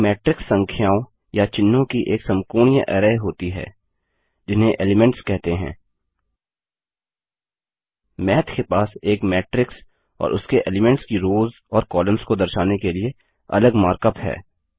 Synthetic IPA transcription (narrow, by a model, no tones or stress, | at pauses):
mɛːʈɾɪksːɐə̃ŋkʰjaːõ | jat͡ʃɪnːõkiʔeːksɐmkuːɳijəʔɛ̰ːɾəeɦoːt̪iɦɛ̰ː | d͡ʒɪnɦẽʔeːlɪmɛ̃ɳʈskɛɦt̪eɦɛ̰̃ː | mɛːt̪ʰkepaːseːkmɛːʈɾɪks | ɔ̰ːɾʔʊ̰skeʔḛːlɪmɛ̃ɳʈskiɾoːz | ɔːɾkɔːlə̃mskod̪ɐɾʃaːnekelie | ɐ̰ləɡmaːɾkəpɦɛ̰ː